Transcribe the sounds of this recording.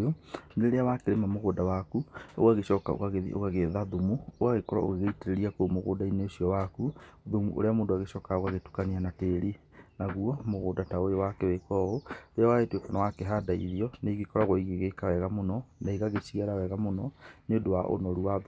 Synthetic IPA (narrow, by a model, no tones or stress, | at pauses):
oneɾeawakeɾemamoɣoːdawakuo̰ɣaɣeʃɔːka̰o̰ɣaɣeðḭʔo̰ɣaɣeðaðumuoɣaɣekɔɾa̰o̰ɣeɣeiteɾeɾiakomoɣo̰daineoɕiɔwakuðumṵʔo̰ɾeamoːndoaɣeʃɔːkaoɣaɣetu̥kanianateɾi | naɣuɔmoɣoːdataojowakewekɔɣoɾeawaetwekanawakɛɦadaḭðiɔneɣekɔɾaɣoiɣeɣekawɛɣamonɔnaiɣaɣet͡ʃiɣɛɾawɛɣamonɔneodowaʔo̰nɔɾuwað